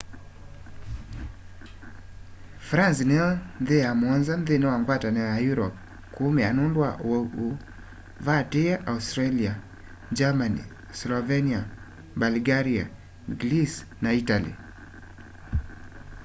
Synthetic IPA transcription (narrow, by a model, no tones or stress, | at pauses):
fɾansnɛɔnðeamwɔnzanðenwaŋɡwatanɛajuɾɔp̚ | kumɛanundwa̰wɔu | vatejaʔaustɾalia | d͡ʒamanḭ | slɔvɛnia | balɡaɾia̰ | ɡlisnaitalḭ